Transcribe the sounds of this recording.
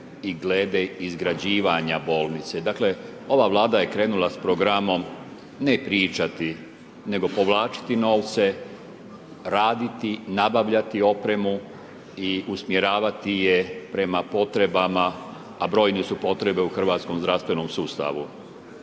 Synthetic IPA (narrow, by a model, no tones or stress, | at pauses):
iɡleːd̪eizɡɾad͡ʑiːʋaɲabo̞ːlˠnit̪se̞d̪aːkle̞o̞ʋaʋlˠaːd̪aje̞kɾe̞ːnulaspɾo̞ɡɾamo̞m | nepɾiːt͡ʃat̪i | ne̞ɡo̞po̞ʋlaːt͡ʃi̥t̪ino̞ːʋt̪se̞ | ɾaːd̪it̪inabaʋʎat̪io̞pɾe̞mu | iusmjeɾaːʋat̪ije̞pɾe̞mapo̞t̪ɾe̞bamaː | bɾo̞ːjnisupo̞t̪ɾe̞be̞uxr̩ʋaːt̪sko̞mzd̪ɾafst̪ʋe̞no̞msuːst̪a̰ʋu